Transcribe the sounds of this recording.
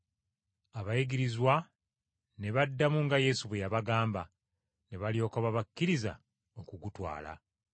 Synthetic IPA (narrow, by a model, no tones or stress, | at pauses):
aβajiɡiɾizwa | ne̞βadːamuŋɡaje̞suβejaβaɡaːmba | ne̞βalijo̞ːkoβaβakːiɾiza̰ | o̞kuɡutwa̰ːla̰